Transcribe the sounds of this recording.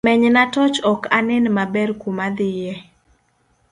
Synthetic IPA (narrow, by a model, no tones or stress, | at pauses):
mɛɲnatɔt͡ʃɔkanɛnmabɛrkumad̪ɪjɛ